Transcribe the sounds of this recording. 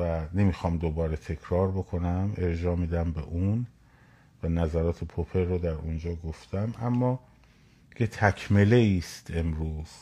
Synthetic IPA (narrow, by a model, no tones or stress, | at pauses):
væne̞mixɒːmd̪obɒːɾet̪ʰe̞kʰɾɒːɾbo̞kʰo̞næme̞ɾd͡ʒɒːmiːd̪æmbe̞̰ʔuːn | vænæzæɾɒːt̪ʰe̞pʰopʰe̞ɾːod̪æɾund͡ʒɒːɡo̞ft̪ʰæmʔæmːɒː | kʰet̪ʰækʰme̞le̞iːst̪ʰe̞mɾuːz̥